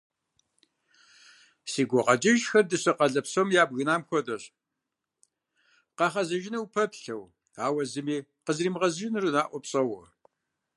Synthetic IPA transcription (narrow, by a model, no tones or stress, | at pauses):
siːɡʷɔqɐd͡ʒɪʒxɐrdɨɕɐqɐɮɐpsomjaːbɣɨnaːmxʷɔdɐɕ | qɑχɐzɐʒɪniwpʰɐpɬɐw | aːwɐzɨmiːqəzriːmʁɐzɨʒɪnɨrɨnaːʔʷɔpɕʼɐwɔ